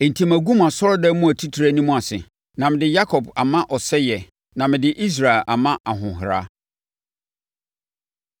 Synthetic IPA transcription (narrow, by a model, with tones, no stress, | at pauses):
e˨n̩˨tʰĩ˨mæ˨ɡũ˦ma˨sɔ˦ɾɔ˦dɛ˦mũ˦æ˨tʰi˦tʰi˨ɾæ˦nĩ˦mũ˦a˨sɪ̰˨ | nã˨mɪ̃˨dɪ˦ja˦kʰɔ˨ba˨mã˦ʔɔ˨sɛ˦jɛ˨ | nã˨mɪ̃˨dɪ˦ʔi˦s̬ɾa˨e˨lʔa̰˨mã˦ʔa˨ɦʊ̃˨ɦɪ˨ɾa̰˦